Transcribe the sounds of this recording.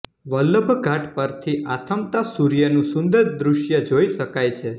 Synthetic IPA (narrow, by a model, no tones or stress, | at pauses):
ʋələbʱɡʱaʈpəɾt̪ʰiʔat̪ʰəmt̪asuɾjənũsʊnd̪əɾd̪ɾuʃjəd͡ʒoiʃəkajt͡ʃʰe